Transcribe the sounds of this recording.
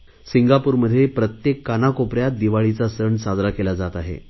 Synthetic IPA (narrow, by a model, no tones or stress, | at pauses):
siŋɡapuːɾməd̪ʱːjepɾət̪jekːanakopɾjat̪̚d̪iʋaɭit͡sasəɳsad͡zɾakelad͡zat̪aɦḛ